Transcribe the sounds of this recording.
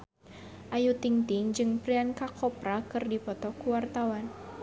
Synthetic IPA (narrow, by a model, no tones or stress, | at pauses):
ʔajut̪iŋt̪ɪŋd͡ʒɨŋpɾiankakʰɔpɾakɨrdipɔt̪ɔkuwart̪awan